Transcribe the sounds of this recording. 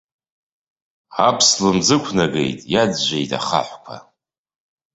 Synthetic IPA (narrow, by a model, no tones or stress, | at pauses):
apʰslɨmd͡zɨkʷʰnaɡe̞̰jtʼjad͡zʒʷejtʼa̰χa̰ħʷkʷʰa̰